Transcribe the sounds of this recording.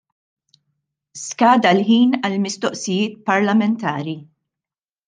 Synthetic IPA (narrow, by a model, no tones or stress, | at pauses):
skɐːd̪ɐlħiːnɐlmɪst̪ɔʔsɪjɪːt̪̚pɐɾlɐmɛnt̪ɐːɾi